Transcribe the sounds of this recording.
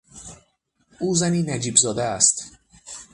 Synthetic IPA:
ʔuːzæniːnæd͡ʒiːbzɒːd̪ææst̪

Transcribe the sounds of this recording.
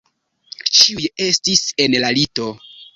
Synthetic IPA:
t͡ʃiuje̞stise̞nlalito̞

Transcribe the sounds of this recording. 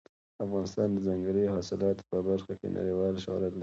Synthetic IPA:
afɣɑnɪst̪ɑnd̪əzaŋɡɾihɑsɪlɑt̪opəbaɾxakḛnʔa̰ɽiwɑlʃo̰lad̪l

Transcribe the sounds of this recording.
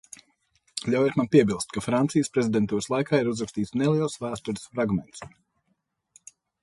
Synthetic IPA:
lʲawjɛːt̪manpʲiɛbilˠst̪̚kafɾant̪sijəspɾɛzid̪ʲɛnt̪uːɾəslˠajkaːiɾuzɾakst̪iːt̪snɛlˠiɛlˠsvæːst̪uɾɨsfɾaɡmɛnt̪s

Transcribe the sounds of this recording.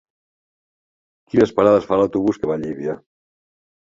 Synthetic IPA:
kinəspaɾaðəsfalawt̪uβuskəβaʎiβia

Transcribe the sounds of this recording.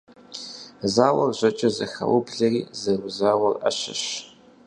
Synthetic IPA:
zaːwɐrʑɐt͡ʃʼɐzɐxɐ̰wʊbɮɐriːzɐrʊzaːwɐrɐ̰ɕɐɕ

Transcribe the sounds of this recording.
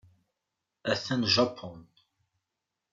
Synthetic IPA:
æθænʒɑpʰːɔn

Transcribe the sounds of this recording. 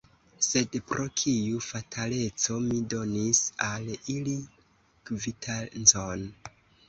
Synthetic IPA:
se̞dpɾʔo̞kʰijufatʰale̞t͡so̞mido̞nisalili | kvitʰanzon

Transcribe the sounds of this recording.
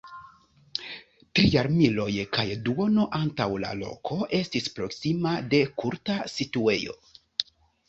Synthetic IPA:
tɾijaɾmilo̞jkʰajduo̞no̞ʔantawla̰lo̞̰kʰo̞ʔe̞stispɾo̞ksimade̞kuɾtasitue̞jo̞̰

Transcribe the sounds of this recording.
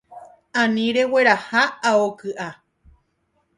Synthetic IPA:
ãnĩɾe̞we̞ɾahaaokɨʔa

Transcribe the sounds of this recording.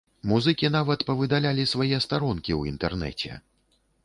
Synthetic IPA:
muzɨkʲin̪avɐt̪pɐvɨd̪alʲalʲisvajɛst̪aɾɔnkʲiwint̪ɛrnɛ̰t͡sʲɛ̰

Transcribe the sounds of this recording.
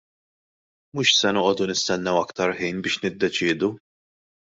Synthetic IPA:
muːʃsɛnɔːʔɔd̪unɪst̪ɛnːɛwɐkt̪ɐɾħiːnbɪːʃnɪd̪ːɛt͡ʃɪːd̪u

